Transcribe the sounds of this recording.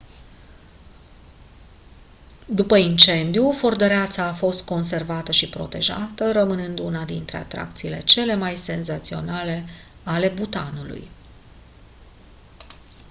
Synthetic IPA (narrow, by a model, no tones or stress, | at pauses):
d̪upəint͡ʃe̞nd̪iufo̞rd̪əɾeat̪saːfo̞st̪̚ko̞ns̬e̞rvat̪əʃipɾo̞̰t̪e̞̰ʒa̰t̪əɾəmɨnɨnd̪unad̪int̪ɾe̞̰a̰t̪ɾa̰kt̪siːle̞̰t͡ʃe̞le̞majse̞nzat̪sio̞̰nale̞ | ale̞but̪anulṵj